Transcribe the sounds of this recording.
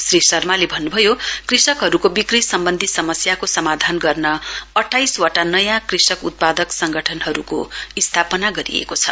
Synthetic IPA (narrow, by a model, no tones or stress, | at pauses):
srisʌrmalebʱʌnːubʱʌjokrisʌkɦʌɾukobikrisʌmbʌnd̪ʱisʌmʌsjakosʌmad̪ʱanɡʌrnʌʌʈʰːajswaʈanʌjãkrisʌkut̪̚pad̪ʌksʌŋɡʱʌʈʰʌnɦʌɾukoist̪ʰapʌnaɡʌɾḭḛkot͡sʰʌ̰